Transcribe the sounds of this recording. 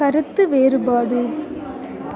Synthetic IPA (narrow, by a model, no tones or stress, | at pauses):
ɐɾɯt̪ːɯʋeːɾɯbaːɽɯ